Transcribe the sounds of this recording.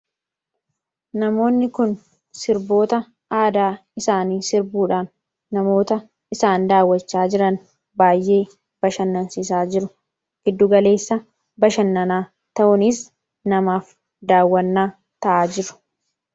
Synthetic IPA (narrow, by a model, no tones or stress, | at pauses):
nɐmo̞ːnːɪkʊn | sɪɾbo̞ːt̪ɐ | aːd̪aːɪsaːniːsɪɾbuːᶑaːnː | ɐmo̞ːt̪ɐ | ɪsaːnd̪aːwːɐt͡ʃːaːd͡ʒɪɾɐn | baːjʔe̞ː | b̥ɐʃɐnːɐnsɪsaːd͡ʒɪɾʊ | ɡ̥ɪd̪ːʊɡɐle̞ːsːɐ | bɐʃɐnːɐnaː | t̪ɐʔʊnɪs | nɐmaːf | d̪aːwːɐnːaː | t̪ɐʔaːd͡ʒɪɾʊ̥